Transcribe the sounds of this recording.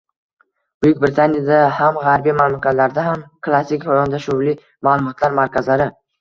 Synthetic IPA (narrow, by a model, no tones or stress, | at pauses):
bʊkʲbɾɪt̪ʰanʲjad̪ahamʁaɾbijmamlˠʊkʲat̪laɾd̪aɦamkʰlˠasːikʲajɒnd̪aʃʊvli | malˠʊmɒt̪ʰlaɾmaɾkʲʰazlaɾɪ